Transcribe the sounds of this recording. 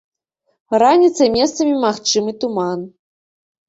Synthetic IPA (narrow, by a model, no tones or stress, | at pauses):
ranʲit̪sɐmʲest̪sɐmʲimaxt͡ʂɨmɨt̪uman